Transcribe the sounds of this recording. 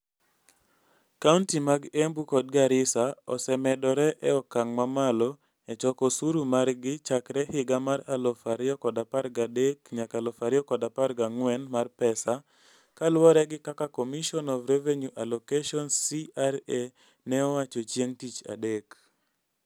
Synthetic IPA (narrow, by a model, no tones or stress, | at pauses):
kaʊntimaɡembukɔd̚ɡaɾɪsaɔ̰sɛmɛdɔɾɛʔɛɔkaŋmamalɔ | ɛt͡ʃɔkɔsuɾumarɡɪt͡ʃakɾɛhɪɡamaɾalɔfaɾɪɔkɔdaparɡadekɲakalɔfaɾɪɔkɔdaparɡaŋwɛnmarpɛsa | kalwɔɾɛɡɪkakakomiʃɔnɔvɾeveɲuʔalokeʃɔnsiaɾe | nɛɔwat͡ʃɔt͡ʃjeŋtit͡ʃa̰dek